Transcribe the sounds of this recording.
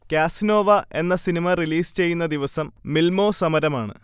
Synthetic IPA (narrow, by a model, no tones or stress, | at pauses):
kjaːsino̞ːʋɐʔe̞nːɐsinimɐriliːst͡ɕe̞jːunːɐd̪iʋɐsɐmːilmo̞ːsɐmɐɾɐmaːɳɨ̰